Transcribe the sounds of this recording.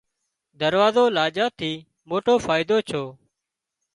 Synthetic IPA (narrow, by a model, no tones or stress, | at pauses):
d̪əɾʋaːzoːlaːd͡ʒaːt̪ʰiː | moːʈoːfaːɪd̪oːt͡ʃʰoː